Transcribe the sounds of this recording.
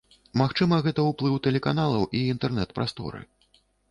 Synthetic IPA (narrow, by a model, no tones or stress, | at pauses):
maxt͡ʂɨmɐɣɛt̪ɐwplˠɨwt̪ɛlʲɛkanalˠɐwʔiːnt̪ɛrnɛt̪̚pɾʔa̰st̪ɔ̰ɾɨ̰